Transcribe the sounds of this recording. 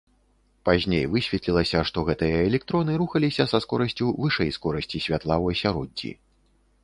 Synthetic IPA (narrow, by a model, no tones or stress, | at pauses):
pazʲnʲejvɨsʲvʲɛt̪lʲilˠɐsʲɐʂt̪ɔɣɛt̪ɨjɐɛlʲɛk̚t̪ɾɔnɨɾuxɐlʲisʲɐsɐskɔɾɐsʲt͡sʲuvɨʂɛjskɔɾɐsʲt͡sʲisʲvʲat̪lˠawɐsʲaɾɔdʲːḭ